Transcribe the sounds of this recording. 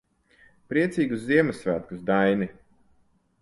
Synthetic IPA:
pɾiɛt̪sʲiːɡuszːiɛmɨsvæːt̪̚kusd̪ajni

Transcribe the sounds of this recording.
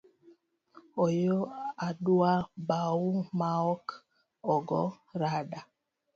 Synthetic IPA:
ɔjoaduabawumaɔk | ɔɡɔ | ɾaɗa

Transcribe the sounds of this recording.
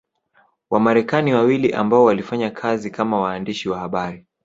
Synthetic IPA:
wamaɾɛkaniwawiliʔa̰mbaɔwalifaɲakʰazikamawaːndiʃiwahaɓaɾi

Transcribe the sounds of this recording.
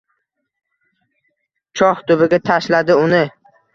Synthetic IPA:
t͡ʃʰɒht̪ʊbɪɡʲat̪ʰaʃlad̪ɪʊnɪ

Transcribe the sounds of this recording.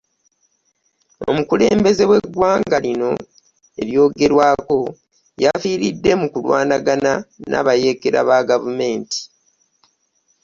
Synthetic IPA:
o̞̰mukule̞ːmbe̞ze̞we̞ɡːwaːŋɡalino̞ | e̞̰ɾjo̞ːɡe̞ɾwaːko̞ | jafiːɾidːe̞mukulwa̰ːnaɡanana̰βaje̞keɾa̰βaɡavume̞ːnti̥

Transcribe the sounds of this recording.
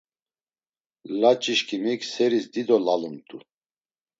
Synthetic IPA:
lat͡ʃʼiʃkʰʼimikʰsɛɾisd̪id̪ɔlalumt̪ʼu

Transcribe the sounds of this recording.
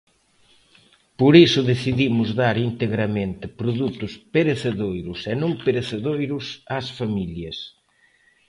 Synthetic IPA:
poɾisʊðeθiðimʊzðaɾint̪eɣɾɐmẽnt̪ɪpɾoðut̪ʊspeɾeθeðojɾʊsɛnõmpeɾeθeðojɾʊsasfamiʎjɐs

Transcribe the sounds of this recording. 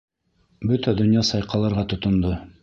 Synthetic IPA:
bɵt̪æd̪ɵ̆njɑsɑjqɑlˠɑɾʁɑt̪ŏt̪ŏnd̪o

